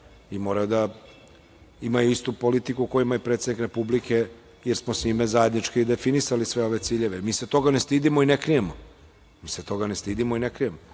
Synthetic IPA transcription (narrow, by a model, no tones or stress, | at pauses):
imo̞ːɾajod̪a | imajuist̪upolit̪ikukojimaipɾe̞t̪sed̪nikɾe̞publike̞ | jeɾsmosiːmezaje̞d̪nit͡ʃkiid̪e̞finisalisʋe̞o̞ʋe̞t̪siːʎe̞ʋemiːset̪o̞ɡane̞st̪iːd̪imoinekɾijemo | miːset̪o̞ɡanest̪iːd̪imoinekɾijemo